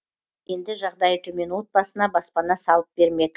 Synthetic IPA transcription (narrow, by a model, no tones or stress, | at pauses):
je̞nd̪ɪʒɑʁd̪ɑjət̪ʰɵme̞nwo̞t̪̚bɑsənɑbɑspɑnɑsɑlˠəp̚be̞ɾme̞d̪ɪ